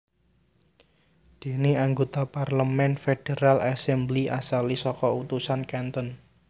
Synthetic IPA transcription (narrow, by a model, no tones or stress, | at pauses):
d̪̥e̤neaŋɡot̪aparləmɛnfed̥eɾalʔasɛmbliʔa̰salisɔkɔut̪usankɛnt̪ən